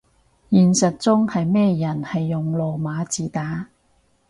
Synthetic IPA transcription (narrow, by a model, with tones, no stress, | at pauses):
jiː˨nsɐ˨t̚t͡sʊ˥ŋhɐ˨jmɛː˥jɐ˨˩nhɐ˨jːʊ˨ŋlɔː˨maː˨˧˥t͡siː˨˩t̪aː˨˥